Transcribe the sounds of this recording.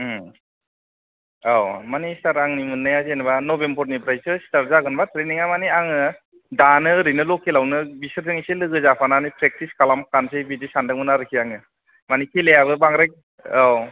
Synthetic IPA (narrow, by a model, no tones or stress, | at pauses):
awmanistaɾaŋnimɯnːɯjazenbanɔbembʰɔɾnipʰɾajsɯsi̥taɾzaɡɯnbatʰɾeniŋamaniaŋɯ | danɯɾɯjnɯlɔkʰelawnɯbisɯɾzɯŋiselɯɡɯzapʰananipɾek̚tiskalamkansɯbidisandɯŋmɯnaɾɯkʰiaŋɯ | manikʰelejabɯbaŋɾajk̚ | aw